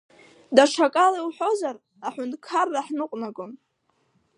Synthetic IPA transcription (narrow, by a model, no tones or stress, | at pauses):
daʂʰakʼaliwħo̞zar | aħʊndʼkʰarːaħnɨqʷʼnaɡʼon